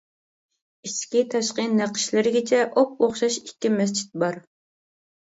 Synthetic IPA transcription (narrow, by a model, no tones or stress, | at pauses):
iskʲit̪ʰɑʃqəneqʰə̥ʃlɪɾɪɡʲɪt͡ʃʰɛʔop̚oχʃɑʃikʲːimɛs̬t͡ʃʰi̥t̪̚bɑɾ